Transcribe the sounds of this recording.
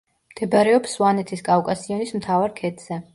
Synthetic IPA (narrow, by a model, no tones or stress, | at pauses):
md̪̥ɛbaɾɛɔpswanɛt̪ʰiskʼafkʼasiɔnismt̪ʰavaɾkʰɛt̪ʰz̥ɛ